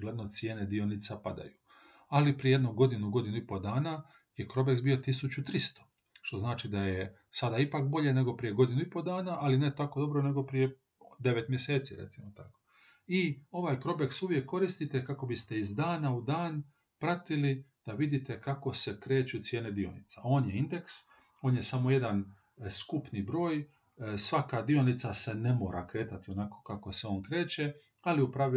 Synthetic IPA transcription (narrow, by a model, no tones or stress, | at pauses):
ɡled̪no̞t̪sjeːne̞d̪ionit̪sapad̪a̰ju | alipɾijejed̪nuɡo̞d̪inuɡo̞d̪inuipo̞d̪aːna | je̞kɾo̞beksbijo̞t̪isut͡ɕut̪ɾist̪o̥ | ʃt̪o̞znaːt͡ʃid̪aje | sad̪aipakbo̞ʎe̞ne̞ɡo̞pɾije̞ɡo̞d̪inuipo̞d̪aːnaʔalinet̪ako̞d̪o̞bɾo̞ne̞ɡo̞pɾije | d̪e̞ʋet̪mje̞se̞ːt̪siɾḛt̪simot̪ako | io̞ʋaːjkɾo̞be̞ksuʋje̞kːo̞ɾist̪it̪ekako̞bist̪e̞izd̪aːnaud̪aːn | pɾat̪ilid̪̥aʋid̪it̪e̞kako̞se̞kɾe̞ːt͡ʃut̪sje̞ːned̪io̞̰nḭt̪sao̞ːnjeind̪e̞ks | o̞ːnje̞samo̞je̞d̪an | skupnibɾo̞ːj | sʋakad̪io̞nit̪sase̞ne̞mo̞ːɾʔa̰kɾe̞ːt̪at̪io̞nako̞̥kako̞seo̞ːnkɾe̞ːt͡ʃe̞ | aliupɾaʋi